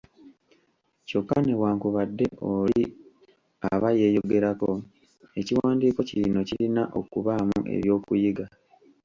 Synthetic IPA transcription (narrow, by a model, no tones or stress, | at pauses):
co̞kːane̞waːŋkuβadːe̞ʔoli | a̰βaje̞ːjo̞ɡe̞ɾako | e̞ciwaːndiːko̞cilino̞cilinaʔo̞̰kuβamṵʔe̞̰βjo̞ːkujiɡa